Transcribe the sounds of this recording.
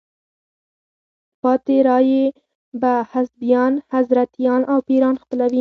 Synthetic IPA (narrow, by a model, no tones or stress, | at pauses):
pɑt̪eɾɑje | bahasbijɑnhazɾat̪jɑnʔawpeɾɑnxpəlawi